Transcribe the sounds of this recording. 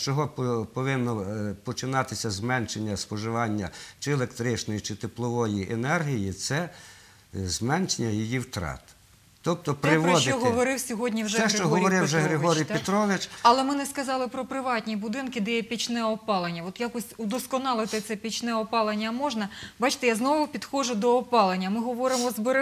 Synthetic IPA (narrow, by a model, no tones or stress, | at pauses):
t͡ʃɔɦɔppɔʋɪnːɔpɔt͡ʃɪnɑt̪ɪsʲɐzmɛnʃenʲːɐspɔʒɪʋɑnʲːɐ̰t͡ʃɪelˠekt̪ɾɪt͡ʃnɔjit͡ʃɪt̪eplˠɔʋɔjiʔenɛrɦʲijit̪sɛ | zmɛnt͡ʃenʲːɐjijiwt̪ɾɑ̰t̪ | t̪ɔp̚t̪ɔpɾɪʋɔd̪ɪɔɦɔʋɔɾɪwsʲɔɦɔdʲnʲiwʒɛɛʃet͡ʃɔɦɔɾɔɾɪwʒɛɦɾɾɪɦɔɾʲij̪pet̪ɾɔʋɪt͡ʃɐlˠɛmɪnɛskɐzɑlˠɪpɾɔpɾɪʋɑtʲnʲibʊd̪ɪnkɪd̪ɛjɛpʲit͡ʃnɛɔpɑlˠenʲːɐʋɔt̪jakɔsʲud̪ɔskɔnɑlˠɪt̪ɪt̪sɛpʲit͡ʃnɛɔpɑlˠenʲːɐmɔʒnɐbɑt͡ʃɪ̥t̪ɛjaznɔʋʊpʲid̪xɔʒʊd̪ɔːpɑlˠenʲːɐmɪɦɔʋɔɾɪmɔzbeɾ